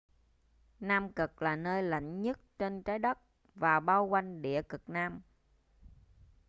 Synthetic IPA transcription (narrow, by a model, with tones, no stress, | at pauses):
naː˧mkɨ˨˩k̚laː˨˩nəː˧jla̰˧˨jŋ̟ɲə˦˥t̚t͡ɕe˧nt͡ɕaː˨˦jɗə˦˥t̚ | vaː˨˩ɓaː˧wkwa˧jŋ̟ɗḭ˧˨əkɨ˨˩k̚naː˧m